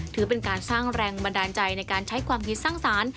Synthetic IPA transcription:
t̪ʰɯː˩˦˥pe˧nkaː˧nsaː˥˩ŋɾɛː˧ŋba˧ndaː˧nt͡ɕa˧jna˧jkaː˧nt͡ɕʰa˦˥jkʰwaː˧mkʰi˦t̪̚saː˥˩ŋsaː˩˦n

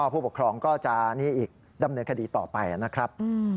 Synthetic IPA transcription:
ɔ˥˩pʰu˥˩pu˨˩kʰɾɔː˧ŋkɔː˥˩t͡ɕa˨˩ʔniː˦˥ʔiː˨˩k̚ | da˧mnɤː˧nkʰa˧diː˧t̪ɔː˨˩pa˧jʔa̰˨˩na˦˥kʰɾa˦˥p̚ː

